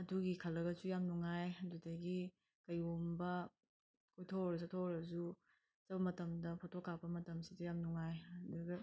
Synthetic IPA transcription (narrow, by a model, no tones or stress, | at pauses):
ɐduɡikʰɐlːɐɡɐzujamnuŋajɐdudɐɡi | kɐjombɐ | kʰojtʰoɾɐsatʰoɾɐzu | t͡ʃɐbɐmɐtɐmdɐpʰotʰokːapɐmɐtɐmsidɐjamnuŋajɐduɡɐ